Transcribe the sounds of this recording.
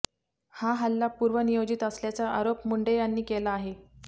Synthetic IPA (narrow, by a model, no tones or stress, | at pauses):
haɦalːapuːɾʋənijod͡ʑit̪əsljat͡saʔaɾopmuɳɖejanːiːkelaːɦe